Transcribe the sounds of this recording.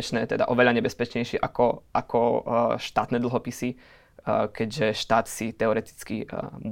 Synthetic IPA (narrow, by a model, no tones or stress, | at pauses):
t͡ʃnɛːt̪ɛd̪a̰ʔɔʋɛʎaɲɛbɛspɛt͡ʃɲɛjʃɪɛʔakɔʔakʰɔʃt̪aːt̪nɛd̪l̩ɦɔpisi | kɛɟʒɛʃt̪aːt̪sit̪ɛɔɾɛt̪i̥t͡skim